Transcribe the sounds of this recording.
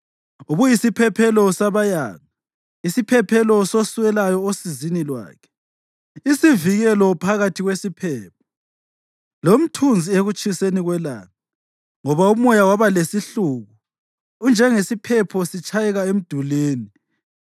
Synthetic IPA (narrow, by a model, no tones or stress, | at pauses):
uβujisipʰɛpʰɛlɔsaβaja̰ːɣa | isipʰɛpʰɛlɔsosuɛlajɔosizinilwa̰ːkʰɛ̥ | isiviɣɛlɔpʰaɣatʰiɣwesipʰɛːp̚ʰɔ̥ | lom̩tʰund͡zʱieɣut͡ʃʼiseniɣwɛla̰ːŋa | ŋɔβaumɔjawaβalesiɬuɣuː | nd͡ʒʱɛŋesipʰɛpʰɔsit͡ʃʰʼajɛɣaem̩d̥ʱuleːni